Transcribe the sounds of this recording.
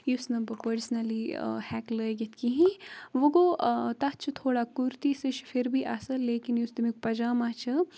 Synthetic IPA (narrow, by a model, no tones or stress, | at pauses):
jusnɐbɐpəɾsnɐlḭhɛːkləɡet̪kiɦĩʋɐɡot̪ɐt͡ʃʰɨt̪ʰoːɽakuɾt̪isəʃfʰɪɾbʱiʔɐsɐleːkinjust̪imik̚pɐd͡ʒaːmaːt͡ʃʰɐ